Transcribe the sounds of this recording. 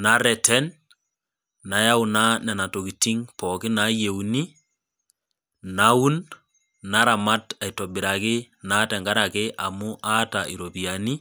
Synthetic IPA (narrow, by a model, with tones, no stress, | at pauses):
na˦ɾɛtʰɛn | a˨ja˦u˦na˦nɛ˨na˨to˨ki˨ti˦ŋpɔkɪ˦na˦je˨uni˦ | na˦u˦n | na˦ɾa˨ma˦ta˨i˨tɔ˨bɪ˨ɾa˨kɪ˦ | na˨˦tɛ˨ŋɡa˦ɾa˨kɪ˦ʔa˨mʊ˦ʔa˦ta˨i˨ɾo˨pi˨jani˦